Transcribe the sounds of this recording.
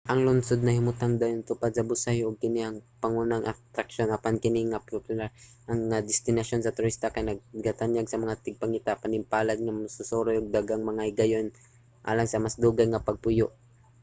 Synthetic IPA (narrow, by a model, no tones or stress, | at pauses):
ʔɐŋlʊnsod̪̚nɐhɪmʊt̪aŋd̪ajont̪ʊpad̪̚sɐbʊsajʔʊɡ̚kɪnihɐŋpɐŋunaŋʔat̪ɾakʃonʔapankɪnɪŋapopjʊlaɾ | ʔɐŋːad̪ɪst̪ɪnaʃjonsɐt̪ʊɾist̪akajnɐɡ̚ɡat̪anjaɡsɐmɐŋat̪ɪɡ̚paŋɪt̪apanɪmpaːlad̪̚ŋammasʊsoɾojʔʊɡ̚d̪aɡaŋmɐŋaɪɡajon | ʔa̰ːlaŋsɐmasd̪uːɡajŋɐpɐɡ̚pʊjoʔ